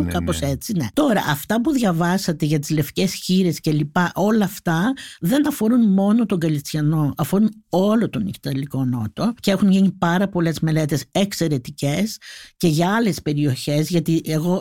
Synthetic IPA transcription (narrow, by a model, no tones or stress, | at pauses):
kɐpo̞se̞t͡sine̞̰t̪o̞ɾɐ̰ʔɐft̪ɐpuðʝɐvɐsɐt̪e̞ʝɐt̪izle̞fce̞sçiɾe̞sce̞lipɐʔo̞lɐːft̪ɐðe̞nɐfo̞ɾunmo̞no̞t̪o̞ŋɡɐlist̪çɐno̞ɐfo̞ɾuno̞lo̞t̪o̞nici̥t̪ɐliko̞no̞t̪o̞ceexunʝiɲipɐɾɐpo̞le̞zme̞le̞t̪e̞sekse̞ɾe̞t̪ice̞sce̞ʝɐɐle̞spe̞ɾio̞çe̞zʝɐt̪iʔe̞ɣo̞